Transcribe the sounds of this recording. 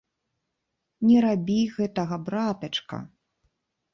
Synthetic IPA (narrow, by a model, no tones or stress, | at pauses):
nʲɛɾabʲiɣɛt̪ɐɣɐbɾat̪ɐt͡ʂkɐ̰